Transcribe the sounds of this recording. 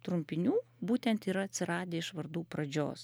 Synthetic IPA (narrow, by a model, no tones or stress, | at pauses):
t̪ɾʊmʲpʲɪnʲuːbuːt̪ʲɛnt̪iːɾɐɐt̪ʲsʲɪɾɑːd̪ʲeːɪʃʋɐɾd̪uːpɾɐd͡ʒʲo̰ːs